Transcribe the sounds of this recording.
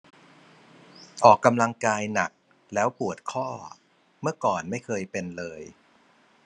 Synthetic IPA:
ʔɔː˨˩kːa˧mla˧ŋkaː˧jna˨˩k̚ | lɛː˦˥wpu˨˩ət̪̚kʰɔː˥˩ | mɯ˥˩ɐkɔː˨˩nma˥˩jkʰɤː˧jpe˧nlɤː˧j

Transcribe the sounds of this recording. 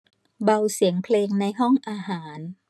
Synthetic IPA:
ba˧wsi˩˦əŋpʰleː˧ŋna˧jɦɔ˥˩ŋʔaː˧ɦaː˩˦n

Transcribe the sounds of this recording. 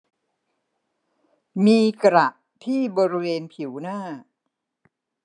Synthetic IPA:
miː˧kɾa˨˩ʔ | t̪ʰiː˥˩bɔː˧ɾi˦weː˧npʰi˨˩˦wnaː˥˩

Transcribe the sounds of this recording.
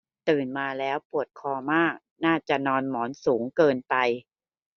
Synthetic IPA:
t̪ɯː˨˩nmaː˧lɛː˦˥wpu˨˩ət̪̚kʰɔː˧maː˥˩k̚ | naː˥˩t͡ɕa˨˩nɔː˧nmɔː˩˦nsuː˩˦ŋkɤː˧npa˧j

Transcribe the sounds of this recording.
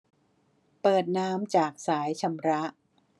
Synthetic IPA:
pɤː˨˩t̪̚naː˦˥mt͡ɕaː˨˩k̚saː˩˦jt͡ɕʰa˧mɾa˦˥ʔ

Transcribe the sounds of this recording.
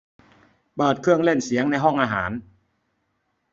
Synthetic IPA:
pɤː˨˩t̪̚kʰɯ˥˩əŋle˥˩nsi˩˦əŋna˧jɦɔ˥˩ŋʔaː˧ɦaː˩˦n

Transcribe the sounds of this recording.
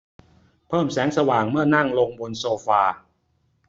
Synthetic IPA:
pʰɤː˥˩msɛː˩˦˥ŋsa˧waː˨˩ŋmɯ˥˩ɐna˥˩ŋlo˧ŋbo˧nsoː˧faː˧

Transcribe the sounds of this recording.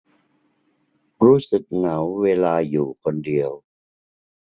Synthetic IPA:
ɾuː˦˥sɯ˨˩k̚na˩˦wːeː˧laː˧juː˨˩kʰo˧ndi˧əw

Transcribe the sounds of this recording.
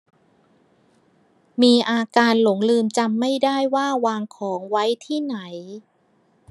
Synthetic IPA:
miː˧ʔaː˧kaː˧nlo˩˦ŋlɯː˧mt͡ɕa˧mːa˥˩jdaː˥˩jwaː˥˩waː˧ŋkʰɔː˩˦ŋwa˦˥jt̪ʰiː˥˩na˩˦j

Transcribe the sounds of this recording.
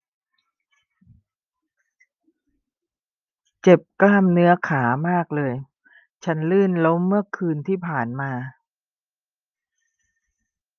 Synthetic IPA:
t͡ɕe˨˩p̚klaː˥˩mnɯ˦˥ɐkʰaː˩˦maː˥˩k̚lɤː˧j | t͡ɕʰa˦˥nlɯː˥˩nlo˦˥mːɯ˥˩ɐkʰɯː˧nt̪ʰiː˥˩pʰaː˨˩nmaː˧

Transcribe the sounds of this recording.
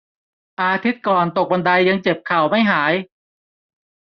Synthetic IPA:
ʔaː˧t̪ʰi˦˥t̪̚kɔː˨˩nt̪o˨˩k̚ba˧nda˧jːa˧ŋt͡ɕe˨˩p̚kʰa˨˩wma˥˩jɦaː˩˦j

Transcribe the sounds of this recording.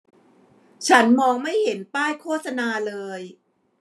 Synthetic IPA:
t͡ɕʰa˦˥nmɔː˧ŋma˥˩jhe˩˦npaː˥˩jkʰoː˥˩t̪̚sa˧naː˧lɤː˧j

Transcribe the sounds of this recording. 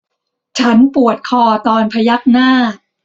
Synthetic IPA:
t͡ɕʰa˦˥npu˨˩ət̪̚kʰɔː˧t̪ɔː˧npʰa˧ja˦˥k̚naː˥˩

